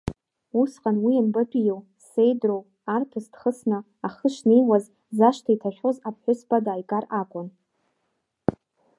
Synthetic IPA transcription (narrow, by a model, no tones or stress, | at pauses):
usqʼanwianbapʼijow | sejdrow | artʰɨsd̥χəsnɨ | aχəʃnijwaz | zaʃtʰaitʰaʃʲʷᶣozapʰħʷᶣʊspʼadaːjkʼarakʷʼʊn